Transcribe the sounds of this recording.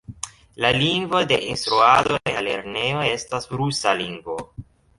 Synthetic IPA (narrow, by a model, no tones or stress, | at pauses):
laliŋɡvo̞de̞ʔinstɾuadoeale̞̰ɾne̞jo̞e̞stasɾusaliŋɡvo̞